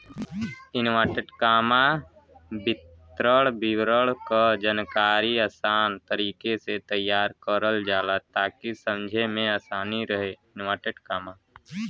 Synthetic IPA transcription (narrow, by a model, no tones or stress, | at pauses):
ɪnʋaːʈeʈkaːma | bɪt̪ | ɾəɽbɪwɾəɭkad͡ʒənkaːɾiaːsaːnt̪əɾiːkeset̪əjːaːɾkəɾəld͡ʒaːlat̪aːkisə̃md͡ʒʱemẽaːsaːniɾəɦeɪnwaːʈeʈkaːmaː